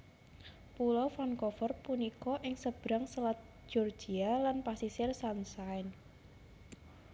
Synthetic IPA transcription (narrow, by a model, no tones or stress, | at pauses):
pulɔfankɔfɔrpunikɔʔɪŋsəb̥ɾaŋsəlat̪̚ʒ̥ɔrd̥ʒ̥ialanpasisɪrsansaɪn